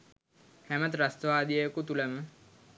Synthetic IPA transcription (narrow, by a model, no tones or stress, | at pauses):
hæmət̪ɾast̪əʋaːd̪ijejkut̪uləmə